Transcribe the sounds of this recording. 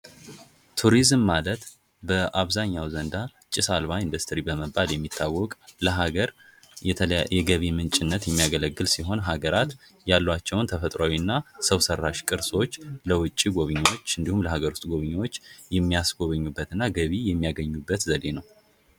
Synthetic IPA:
t̪ʰuɾizmːalət̪ | bəʔaβzaɲːawzənd̪a | t͡ʃʼɪsalβaind̪ust̪ʰɨɾibəməbːaljɛmːit̪ʰːawːɔkʼləɦaɡəɾʰ | jɛɡəβimɨnt͡ʃʼɪnːət̪jɛmːijaɡələɡːɨlsiɦo̞nɦaɡəɾat̪ | jalːwat͡ʃːɛwnt̪ʰəfət̪ʼɾawinːasəwsərːaʃkʼɨɾso̞t͡ʃːləwʊt͡ʃʼːiɡo̞βɨɲːwot͡ʃːɨnd̪ihumləɦaɡəɾust̪ʼɡo̞βɨɲːawo̞t͡ʃːjɛmːijasɡo̞βɨɲːubːət̪ɨnːaɡəβijɛmːijaɡəɲːubːət̪zəd̪e̞nəw

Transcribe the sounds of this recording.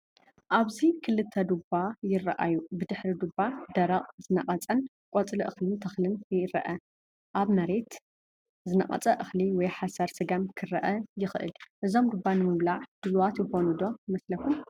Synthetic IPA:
ʔaβzikʰɨlɨt̪ʰːɐd̪ubːajɪrɐʔajubɨd̪ɨħɾid̪ubːad̪ɐɾɐqʼzɨnɐqʼɐt͡sʼɐn | kʼot͡sʼlɨʔɨxlɨnt̪ʰɐxlɨnɪɾɐ̰ʔɐ | ʔaβmɐɾe̞t̪ | zɨnɐqʼɐ̰t͡sʼɐʔɨxliwɔjħasɐɾsɨɡamkʰɨɾɐʔɐjɪxɨʔɨ̰lʔɨzo̞md̪ubːanɨmɨβlaʕd̪̥ɨluwat̪jɪxo̞nud̪o̞mɐslɐkum

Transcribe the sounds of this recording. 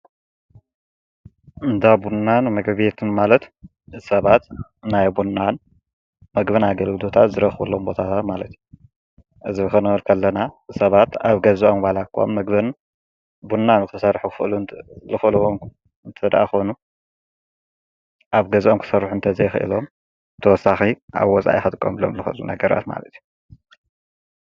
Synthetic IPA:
ʔɨnt̪ʰabunːanmɐɡβjet̪ʰɨnmalɐt̪ | ɨz̥sɐβat̪najbunːan | mɐɡbɐnaɡɐlɡɨlo̞t̪ʰat̪zɨɾɐxβɐlːo̞mbo̞t̪ʰat̪ʰat̪malɐt̪ju | ʔɨzibxɐnɐɐɾkʰɐlːɐnasɐβat̪aβɡɐzʔomwalakʰːo̰mːɐɡbɨn | bunːanɨkʰsɐrħukʰɨxɨʔlulɨxɨlwom | ɨnt̪ʰɐd̪ʔa̰xo̞nu | ʔaβɡɐzʔomkʰɨ̥sɐrːħuɨnt̪ʰɐzɐjxʔɨ̰lo̞m | t̪ʰɐwɔsːaxiʔa̰βwɔt͡sʼa̰ʔixɐt̪ʼɨkʼːo̰mlo̰mlɨxʔɨlunɐ̰ɡɐɾa̰t̪ma̰lɐt̪ʰiju

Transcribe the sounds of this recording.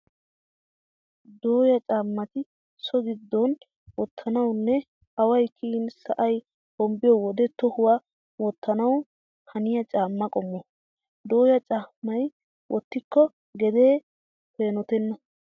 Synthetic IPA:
d̪oːjɐt͡ʃʼaːmːɐt̪ɪ | sɔɡɪd̪ːɔn | wɔt̪ʰːɐnɐwnːɛ | ɐwɐjkʰinsɐʔɐj | hɔmbɪjɔwɔd̪ɛt̪ɔhʊwa | wɔt̪ʰːɐnɐw | hɐnɪjɐt͡ʃʼaːmːɐkʼɔmːɔ | d̪o̞ːjɐt͡ʃʼaːmːɐj | wʔɔt̪ːɪkːɔ | ɡɛd̪e̞ː | pe̞ːnɔt̪ɛnːɐ

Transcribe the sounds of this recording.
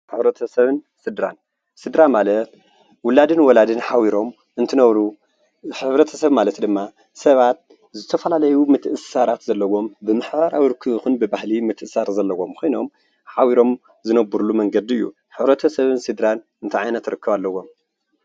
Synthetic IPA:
ħɨβɾɐt̪ʰɐsɐβɨn | sɨd̪ɾa̰n | sɨd̪ɾamalɐt̪ | wʊlad̪ɨnwɔlad̪ɨnħawiɾom | ɨnt̪ʰɨnɐβɾu | ħɨβɾɐt̪ʰɐ̥sɐβmalɐt̪d̪ɨmːa | sɐβat̪̚ | zɨt̪ʰɐfɐlalɐjumɨt̪ʰʔɨssaɾat̪zɐlːɐwo̞mbɨmɨħbaɾa̰wiɾɨkʰːɨβɨxunbɨbahlimɨt̪ʰɨsaɾzɐlːɐwo̞mkʰʷojno̞̰m | ħawiɾo̞m | zɨnɐbːuɾulumɐŋɡɐd̪iɨjːṵ | ħɨβɾɐt̪ʰɐsɐβɨnsɨd̪ɾan | ɨnt̪ʰɨʕajnɐt̪ɾɨkʰːɨβalːɐwo̞m

